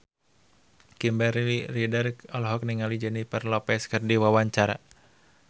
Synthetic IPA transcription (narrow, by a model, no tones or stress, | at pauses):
kimbɛɾiridarkɔlɦɔk̚niŋalid͡ʒənipərlɔpɛskɨrdiwawaɲt͡ʃaɾa̰